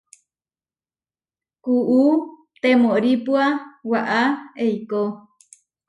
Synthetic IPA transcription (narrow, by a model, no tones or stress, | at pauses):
kuʔu | t̪emoɾipuawaʔaejko